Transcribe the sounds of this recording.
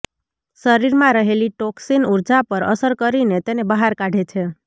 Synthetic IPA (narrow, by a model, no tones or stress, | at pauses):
səɾiɾmãɾəɦeliʈoksinuɾd͡ʒapəɾə̰səɾkəɾinet̪enebəɦaɾkaɖʱet͡ʃʰe